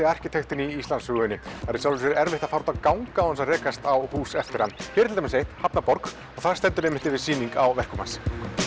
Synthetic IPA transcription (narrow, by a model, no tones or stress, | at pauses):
ɪar̥cɪt̪ʰext̪ɪniist̪lanshʏɣʏnːɪaɾisawlʏsɪɾɛɾvɪht̪ḁfaɾt̪akawŋkaawhɛnsarɛːkast̪awhuːsɛft̪ɪɾhanːfɛːɾt̪ʰɪamɪsejht̪hapnapɔɾk | ɔɣθaðɾ̥st̪ɛnt̪ʏɾɛːmɪnt̪ɪvɪðsiːniŋkawvɛr̥kʏmans